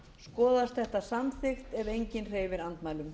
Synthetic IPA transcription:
skɔːðast̪θɛht̪asamθɪxt̪ɛvejɲcɪnr̥eːjvɪɾant̪maːjlʏm

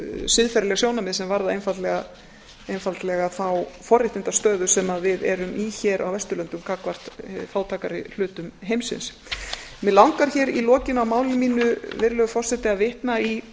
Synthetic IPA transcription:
sɪðfɛɾlɛɣsjoːwnamɪðsɛmvaɾðaejnfalt̪lɛɣa | ejnfalt̪lɛɣaθawfɔrːɪht̪ɪnt̪ast̪œːðʏsɛmavɪðɛɾʏmʔiçɛːɾʔa̰wvɛst̪ʏlœnt̪ʏmkaːkvar̥t̪faːwt̪ʰaːkaɾɪ̰l̥ʏːt̪ʏmɦejmsɪ̰ns | mɛlawŋkaɾ̥çɛːɾilɔːcɪnawmaːwlɪmiːnʏvɪɾlɛɣʏfɔr̥sɛt̪ɪavɪht̪nai

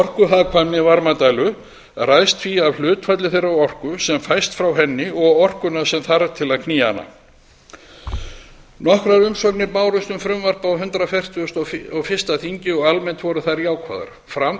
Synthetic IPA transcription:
ɔr̥kʏɦakʰvanːɪvaɾmat̪ajlʏ | rajst̪fiavl̥ʏːt̪fat̪lɪθejɾawɔr̥kʏsɛmfajst̪fɾawɦɛnːɪɔɣɔr̥kʏnasɛmθaɾt̪ʰɪlaðkʰniːa̰na̰ | nɔhkɾaɾʏmsɔknɪpaːwɾʏst̪ʏmfɾʏmvar̥pawɦʏnt̪ɾafɛr̥t̪ʰust̪ɔɔɣfɪst̪aθiɲcɪɔɣalmɛnt̪vɔɾʏθaɾjaːwkʰva̰ːða̰ɾ | fɾam

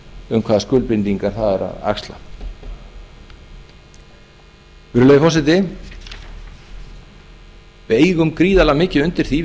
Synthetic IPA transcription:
ʏmkʰvaːðaskʏːlpɪnt̪iŋkaɾ̥θaðɛɾa̰ða̰kst̪la̰ | vʏɾʏlœjðɪfɔsɛt̪ɪ | vɪðeːjɣʏmkɾiːðalamɪːcɪʏnt̪ɪɾ̥θi

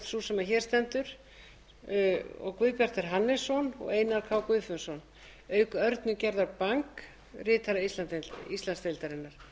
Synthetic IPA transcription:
t̪susɛmaçɛːɾ̥st̪ɛnt̪ʏɾ̥ | ɔ̰ɣkvʏːpjar̥t̪ɛɾ̥ɦanːɪsɔnɔ̰ɣeːjnaɾkʰaːwkvʏːfʏnsɔn | œːɥkœɾt̪nʏcɛɾðaɾpaŋk | rɪːt̪ʰaɾaist̪ant̪ist̪lanst̪elt̪aɾɪnːaɾ̥

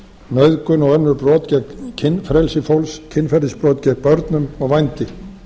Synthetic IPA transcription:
mœɥðkʏnɔɣœnːʏɾpɾɔːt̪cɛkcʰːɪnːfɾɛlsɪfowlscʰɪnfɛɾðɪspɾoːt̪cɛk̚pœɾt̪nʏmɔɣvajnt̪ɪ

